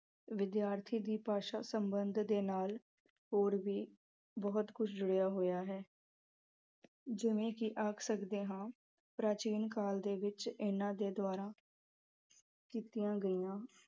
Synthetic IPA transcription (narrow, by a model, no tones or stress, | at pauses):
ʋɪd̪jaːɾt̪ʰiːd̪iːpaːʃaːsəmbənd̪ʱd̪eːnaːl | ɦoːɾʋiː | bɔɦʊt̪kʊt͡ʃʰd͡ʒʊɽjaːɦoːjaːɦɛː | d͡ʒɪʋẽːkiʔaːkʰsəkd̪eːɦãː | pɾaːt͡ʃiːnkaːld̪eːʋɪt͡ʃɪnãːd̪eːd̪waːɾãː | kiːt̪ijãːɡəiːãː